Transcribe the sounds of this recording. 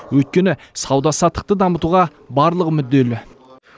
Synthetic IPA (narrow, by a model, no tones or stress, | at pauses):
wɵjt̪̚kʲe̞nɪsɑwd̪ɑsɑt̪ə̥qt̪əd̪ɑmət̪uʁɑ | bɑɾlˠəqmʏd̪ːe̞lɪ